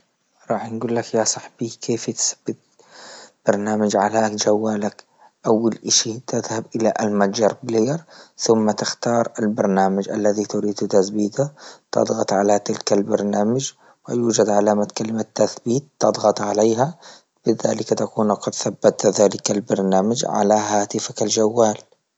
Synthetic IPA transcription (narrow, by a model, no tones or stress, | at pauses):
ɾˤɑːħnɡuːlːakjasˤɑħb̥iːkʰeːft̪θḁb̥ːɪt̪̚ | b̥ɑɾˤnaːmad͡ʒʕalaːkd͡ʒawːaːlak | ʔawːalʔaʃit̪ɪðhabʔɪlaʔalmad͡ʒɑɾˤbleːɾˤθʊmːat̪ɪxt̪ɑːɾˤalbɑɾˤnaːmad͡ʒʔa̰lːaðit̪ʊɾiːd̪t̪aθbiːt̪at̪ɑ̰d̪ˤɣɑt̪ˤʕalat̪ɪlkalbɑɾˤnaːmad͡ʒ | wɪjuːd͡ʒad̪ʕalaːmat̪kalɪmat̪ːaθbiːt̪ːɑd̪ˤɣɑt̪ˤʕaleːɦa | b̥ɪða̰ːlɪkat̪akuːnqɑd̪θabːat̪ðaːlɪkalbɑɾˤnaːmad͡ʒʕa̰laɦaːt̪ɪfakald͡ʒawːaːl